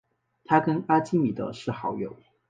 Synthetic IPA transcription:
t̪ʰa˥kə˥na˥t͡ɕi˥mi˨˩d̪ə̰˧˦ʂɻ̩˥˩xɑ˧˥ʊjo˨˩ʊ

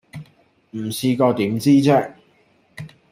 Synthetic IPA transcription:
m̩˨˩siː˧kɔː˧t̪iː˨˥mt͡siː˥t͡sɛː˥

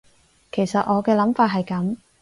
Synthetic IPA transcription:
kʰe˨˩jsɐ˨t̚ʔɔː˨˧kɛː˧lɐ˨˥mfaː˧t̚ɦɐ˨jkɐ˨˥m

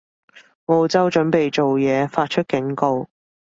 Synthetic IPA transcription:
ŋmo˨˧wt͡sɐ˥wt͡ʃɵ˨˥npe˨jt͡so˨wjɛː˨˧faː˧t̚t͡ʃʰɵ˥t̚kɪ˨˥ŋko˧w

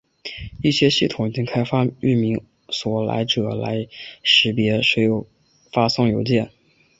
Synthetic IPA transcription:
i˥˩ɕjɛ˥ɕi˥˩t̪ʰʊ˨˩ŋi˨˩t͡ɕi˥ŋkʰa˥ɪfa˥y˥˩mi˧˥ŋ | swɔ˨˩la̰˧˥ɪʈ͡ʂɤ˨˩la̰˧˥ɪʂɻ̩˧˥pjɛ˧˥ʂɻ̩ɔ˧˥jo˨˩ʊ | fa˥sʊ˥˩ŋjo˧˥ʊt͡ɕjɛ˥˩n

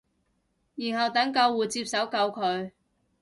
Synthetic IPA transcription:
jiː˨˩nɦɐ˨wt̪ɐ˨˥ŋkɐ˧wːuː˨˩jt͡siː˧p̚sɐ˨˥wkɐ˧wkʰɵ˨˧ɥ

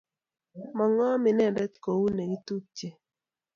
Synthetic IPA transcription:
mɔ˨ŋɔ˦mɪ˨nɛ˦˨ndɛ˦t̪ko˨wu˦ne˨ɡi˦t̪u˦t͡ʃe˨

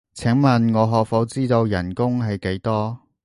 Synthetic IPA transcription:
t͡sʰɛ˨˥ŋmɐ˨nŋɔː˨˧ɦɔː˨k̚fɔ˨˥wt͡siː˥t̪o˧wjɐ˨˩nkʊ˥ŋɦɐ˨jke˨˥jt̪ɔː˥

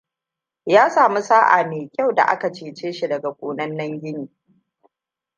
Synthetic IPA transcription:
jaː˦saː˨mu˦saː˦ʔa̰ː˨meː˨kʲa˦˨wda̰˨ʔa̰˦ka˨t͡ʃeː˨t͡ʃeː˦ʃi˦dɐ˨ɡa˨kʷʼoː˨nɐ˦nːɐ˦ŋɡʲɪ˦niː˨

